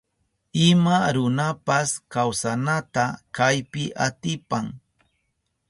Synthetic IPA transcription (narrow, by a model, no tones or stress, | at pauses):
ɪmaɾʊnapaskawsanat̪akajpɪʔat̪ɪpaŋ